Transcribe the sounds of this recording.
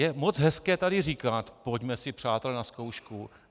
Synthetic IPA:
jɛmo̞t͡sɦɛskɛːt̪adɪriːkat̪po̞ɟmɛsɪpr̝̥aːt̪ɛlɛnasko̞wʃku

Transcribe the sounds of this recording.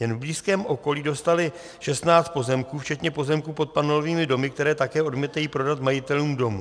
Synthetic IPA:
jɛnvbliːskɛːmʔo̞ko̞liːdo̞st̪alɪ | ʃɛst̪naːt͡st̪po̞zɛmkuːft͡ʃɛt̪ɲɛpo̞zɛmkuːpo̞t̪̚panoloviːmɪdo̞mɪkt̪ɛɾɛːt̪akɛːʔo̞dmiːt̪ajiːpɾo̞dat̪majɪt̪ɛluːmdo̞mṵ

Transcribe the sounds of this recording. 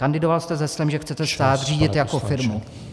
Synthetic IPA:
kandɪdovalst̪ɛzɛslɛmʒɛxt͡sɛt̪ɛst̪aːt̪r̝iːɟɪt̪jako̞fɪɾmu

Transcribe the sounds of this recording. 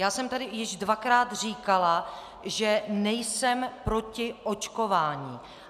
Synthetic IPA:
jaːsɛmt̪adɪjɪʒdvakɾaːt̪r̝iːkala | ʒɛnɛjsɛmpɾo̞cɪʔot͡ʃkovaːɲiː

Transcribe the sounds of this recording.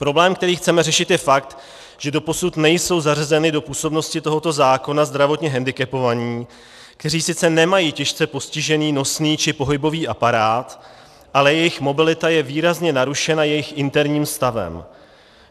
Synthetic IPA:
pɾo̞blɛːmkt̪ɛɾiːxt͡sɛmɛrɛʃɪt̪jɛfak̚t̪ | ʒ̥ɛdo̞po̞sut̪nɛjso̞wzarzɛnɪdo̞puːso̞bno̞scɪt̪o̞ɦo̞t̪o̞zaːko̞nazd̪ɾavo̞t̪ɲɛɦɛndɪkɛpo̞vaɲiː | kt̪ɛɾiːsɪt͡sɛnɛmajiːcɛʃt͡sɛpo̞scɪʒɛniːno̞sniːt͡ʃɪpo̞ɦɪbo̞viːʔapaɾaːt̪ | ʔalɛjɛjɪxmo̞bɪlɪt̪ajɛviːɾazɲɛnaɾuʃɛnajɛjɪxʔɪnt̪ɛɾɲiːmst̪avɛ̰m

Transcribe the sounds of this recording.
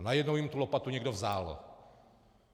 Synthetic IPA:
najɛdnowjimt̪ulopat̪uɲɛɡdovzaːl

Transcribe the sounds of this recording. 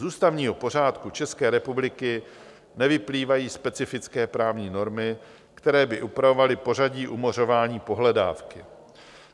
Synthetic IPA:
zuːst̪avɲiːɦo̞po̞r̝aːt̪kut͡ʃɛskɛːɾɛpublɪkɪ | nɛvɪpliːvajiːspɛt͡sɪfɪt͡skɛːpɾaːvɲiːno̞ɾmɪ | kt̪ɛɾɛːbɪʔupɾavo̞valɪpo̞z̝aɟiːʔumo̞ro̞vaːɲiːpo̞ɦlɛda̰ːfkɪ

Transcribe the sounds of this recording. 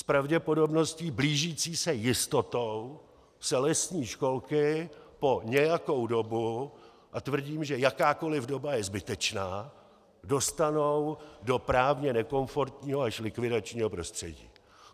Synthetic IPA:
spɾavɟɛpo̞do̞bno̞sciːbliːʒiːt͡siːsɛjɪst̪o̞t̪o̞w | sɛlɛsɲiːʃko̞lkɪpo̞ɲɛjako̞wdo̞bu | ʔat̪vr̩ɟiːmʒɛjakaːko̞lɪvdo̞bajɛzbɪt̪ɛt͡ʃnaː | do̞st̪ano̞wdo̞pɾaːvɲɛnɛko̞ɱfo̞ɾt̪ɲiːɦoaʃlɪkvɪdat͡ʃɲiːɦo̞pɾo̞st̪r̝̥ɛ̰ɟḭː

